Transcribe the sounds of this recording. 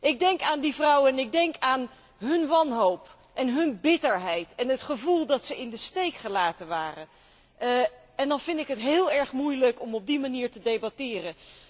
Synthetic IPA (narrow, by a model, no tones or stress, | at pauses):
ʔɪɡ̚dɛŋkaːndivrʌwənɪɡ̚dɛŋkaːn | ɦɵnʋɑnɦowp | ʔɛnɦɵnbɪtəɹɦɛjtɛnɦətχəvulˠdɑtsəɪndəstejkχəlaːtənʋaːrə | ɛndɑnvɪndɪkɦətɦɪːlˠɛɹχmujləkɔmɔb̚dimaniːɹtədejbatɪːrə